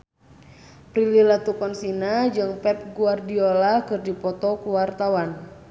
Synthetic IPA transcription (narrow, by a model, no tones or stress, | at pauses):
pɾililat̪ukɔnsinad͡ʒɨŋpɛp̚ɡuardiolakɨrdipɔt̪ɔkuwart̪awan